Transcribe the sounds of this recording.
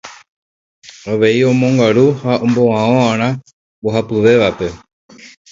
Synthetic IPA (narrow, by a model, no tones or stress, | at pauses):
oʋe̞iõ̞mõ̞ŋɡaɾuhaõmboãoãɾ̃ã | boɦapɨʋe̞ʋape̞